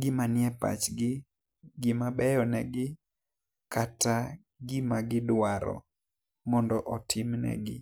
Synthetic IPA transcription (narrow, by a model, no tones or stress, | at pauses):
ɡɪmanjɛpa̰t͡ʃɡɪ | ɡɪmabɛjɔnɛɡɪ | kata | ɡɪmaɡɪdwaɾɔ̰ | mɔndɔʔɔtʰɪmnɛ̰ɡɪ̰